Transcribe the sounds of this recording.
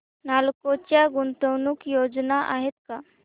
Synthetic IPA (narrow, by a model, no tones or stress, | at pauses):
nalkot͡ɕjaɡunt̪əwnuːkjod͡znaʔaɦet̪ka